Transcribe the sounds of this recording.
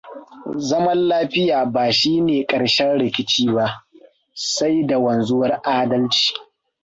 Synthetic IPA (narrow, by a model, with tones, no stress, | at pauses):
zɐ˦mɐ˦nlaː˦ɸɪ˦jaː˨baː˨ʃiː˦neː˨kʼɐ˨ɽʃɛ˦nɽɪ˨kʲɪ˦t͡ʃiː˦ba˦ʔ | sa˦jda˨wɐ˨nzʊ˦wɐ˦rʔaː˦dɐ˦lt͡ʃi̥ː˨